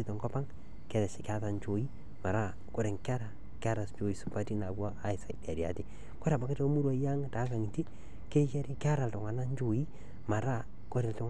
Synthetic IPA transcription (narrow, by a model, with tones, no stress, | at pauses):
i˦tɔ˨ŋkɔ˦pa˦ŋ | kɛ˨ɾɛ˨sɪ˨ka˦ta˨ɲt͡ʃo˨i˦ | ma˨ɾa˦ | ko˦˨ɾɛ˨ŋka˦ɾa | ke˦a˦ɾa˨st͡ʃo˨i˨su˨pa˦ti˦na˨baː˦ɪ˨sa˨dja˨ɾja̰˨ti | ko˦ɾa˨ba˨ke˦te˦o˦mu˦ɾwa˦˨ja˦ŋta˨˦ka˨ŋi˨ti˦ | ke˦t͡ʃe˦ɾi˦ka˦ɾa˨ltʊ˨ŋa˨na˦ɲd͡ʒo˨ji˦ | ma˨ɾa˦ | ko˦ɾɛ˨ltʊ˦ŋ